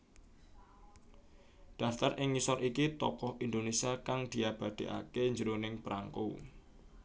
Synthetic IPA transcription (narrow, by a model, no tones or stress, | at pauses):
ɖ̪̥a̤ft̪arʔɪŋːisɔɾʔikit̪ɔkɔhind̪onesiakaŋd̪̥i̤ab̥a̤d̪̥e̤ʔa̰keɲd͡ʒəɾonɪŋpɾʔaŋkṵ